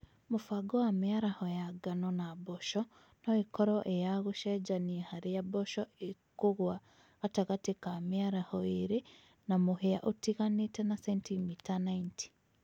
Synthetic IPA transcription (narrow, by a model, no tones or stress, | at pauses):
mofaɡowamiaɾahɔjaɡanɔnabɔʃɔ | noekɔɾɔʔejaɣoʃɛd͡ʒaniehaɾejabɔʃɔekoɣwa | ɣataɣatekamiaɾahɔeɾe | namoheaʔotiɣanetɛnasɛntimitanaintʰi̥